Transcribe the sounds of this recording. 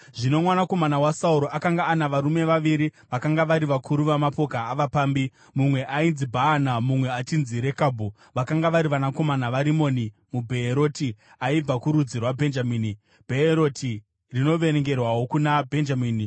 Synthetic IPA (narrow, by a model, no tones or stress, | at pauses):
ʐino̞mwanako̞manawasauɾo̞ʔakaŋɡaːnaʋaɾume̞ʋaʋiɾiʋakaŋɡaʋaɾiʋakʰuɾuʋamapo̞kaːʋapaːmbi | mumwe̞ʔainzibʱaːnamumwe̞at͡ʃinziɾe̞kabʱu | ʋakaŋɡaʋaɾiʋanako̞manaʋaɾimo̞ni | mubʱe̞ːɾo̞ti | aib͡vakuɾud͡zirwabʱe̞nd͡ʒamiːni | b̥ʱe̞eɾo̞tʰi | rino̞ʋe̞ɾeŋɡe̞rwawo̞kunabʱe̞nd͡ʒamiːni